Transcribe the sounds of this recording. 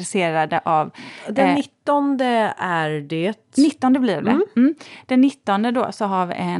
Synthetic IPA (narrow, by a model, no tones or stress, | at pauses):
ɾɛseːɾad̪əʔavd̪ɛnːɪt̪ːɔnd̪əæɾɖeːt̪nɪt̪ːɔnd̪əblɪːɖɛ̰m̩ːd̪̥ɛnːɪt̪ːɔnd̪əd̪o̰ːsɔɦaɾvɪ̰ʔɛ